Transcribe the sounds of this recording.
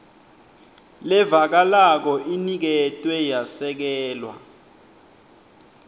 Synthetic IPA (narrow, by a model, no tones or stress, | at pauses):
lɛvak̬alak̬ɔʔinik̬ɛtʼwɛjasɛk̬ɛːlwa̰